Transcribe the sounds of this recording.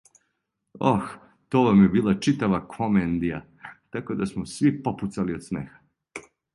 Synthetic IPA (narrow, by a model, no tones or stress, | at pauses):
ox | t̪oːʋamjebiːlˠat͡ʃit̪aʋakʰomend̪ija | t̪ako̞d̪asmosʋipo̞put̪saliod̪smḛːxḁ